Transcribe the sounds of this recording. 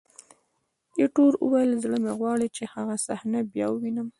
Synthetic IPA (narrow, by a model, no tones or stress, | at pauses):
eʈoɾə̰wajəlzɽəmeɣwɑɽit͡ʃehaɣasahnabjɑ̰wəwinəm